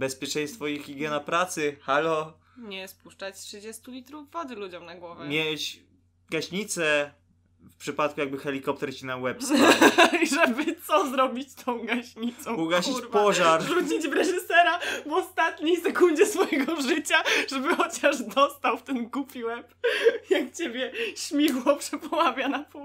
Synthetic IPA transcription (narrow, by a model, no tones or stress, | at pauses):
bɛspʲjɛt͡ʂɛ̃j̃st̪fɔixxʲiɡʲjɛnapɾat̪sɘxalɔ | ɲɛspuʂt͡ʂat͡ɕtʂɨd͡ʑɛst̪ulʲit̪ɾuvːɔd̪ɘlud͡ʑɔmnaɡwɔvɛmʲjet͡ɕ | ɡaɕɲit̪sɛ | fpʂɘpat̪kujaɡ̚bɘxɛlʲikɔp̚t̪ɛɾt͡ɕinawɛps | ʐɛbɘt̪sɔzɾɔbʲit͡ɕt̪ʰɔ̃w̃ɡaɕɲit̪sɔ̃wuɡaɕiɾpɔʐaɾʐut͡ɕid͡ʑvɾɛʐɨsɛɾavɔst̪at̪ɲijsɛkund͡ʑɛsfɔjɛɡɔʐɘt͡ɕaʐ̥ɛbɘxɔt͡ɕaʐd̪ɔst̪awft̪ɛnɡupʲiwɛpjakt͡ɕebʲjɛɕmʲiwɔpʂɛpɔmavʲjanapu